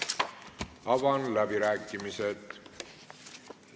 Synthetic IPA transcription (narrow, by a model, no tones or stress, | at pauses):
ɑvɑnlæbiɾæːkːˑimiset̪